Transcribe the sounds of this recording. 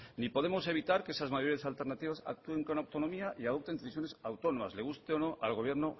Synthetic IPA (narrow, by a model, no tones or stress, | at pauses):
nipo̞ð̞e̞mo̞se̞βit̪aɾkeesazmaʝoɾiasalt̪e̞ɾnat̪iβasa̰k̚t̪ue̞ŋko̞nawt̪o̞no̞miaʔiað̞o̞p̚t̪end̪eθisjone̞sawt̪o̞no̞ma̰sle̞ɣ̞ust̪eono̞ʔalɣ̞o̞β̞je̞ɾno̞